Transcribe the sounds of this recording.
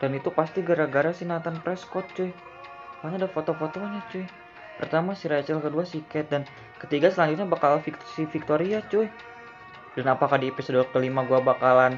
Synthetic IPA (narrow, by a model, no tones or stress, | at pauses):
d̥anit̪upast̪iɡaɾaɡaɾasinat̪anpɾɛskɔt̪̚t͡ʃʊ | aɲadafot̪ofot̪oɲat͡ʃʊj | pərt̪amasiɾat͡ʃɛlkəduasikɛt̪̚dan | kət̪iɡasəlaɲd͡ʒuʊt̪̚ɲabakalanfikt̪sifik̚t̪oɾiat͡ʃʊj | danapakadiepisodok̪əlimaɡuabakalan